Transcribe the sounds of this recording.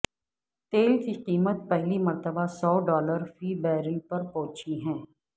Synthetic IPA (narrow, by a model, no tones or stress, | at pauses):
t̪eːlkiqiːmət̪̚pɛɦlimɐɾt̪əbasɔːɖɔːləɾfiːbɛːɾəlpɐɾpɔːt͡ʃiɦɛ̃ː